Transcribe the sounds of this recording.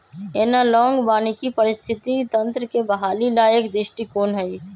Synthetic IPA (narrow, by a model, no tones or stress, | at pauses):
eːnalɔ̃ːŋɡbaːnikipəɾɪst̪ʰɪt̪it̪ə̃nt̪ɾəkebəɦaːlilaːjəkd̪ɾɪʃʈikoːnɦɛi